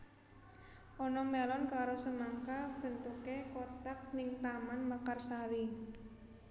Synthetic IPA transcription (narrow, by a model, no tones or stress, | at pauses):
ʔɔnɔmelɔnkaɾosəmaŋkab̥ə̤nt̪ukekɔt̪ak̚nɪŋt̪amanmakarsaɾi